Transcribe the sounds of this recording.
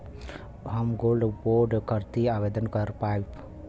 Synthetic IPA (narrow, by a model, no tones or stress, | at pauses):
ɦəmɡolɖboɾɖkəɾt̪iaːbed̪ənkəɾpaip